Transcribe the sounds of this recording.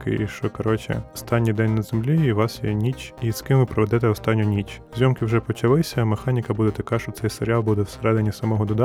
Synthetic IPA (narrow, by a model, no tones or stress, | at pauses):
kɪ̰iʃt͡ʃɔkɐɾɔt͡ʃɪ̰ɔst̪ɑnʲːijd̪ɛnʲnɐzemlʲiiʋɑsjɛnʲit͡ʃiskɪmʋɪpɾɔʋɛd̪ɛt̪ɛɔst̪ɑnʲːʊnʲit͡ʃzʲɔmkɪwʒɛpɔt͡ʃɐlˠɪsʲɐmexɑnʲikɐbud̪ɛt̪ɐkɑʃt͡ʃɔt̪ɛjseɾʲɪɑlˠbud̪ɛwseɾɛd̪ɪnʲisɐmɔɦɔd̪ɔd̪ɑ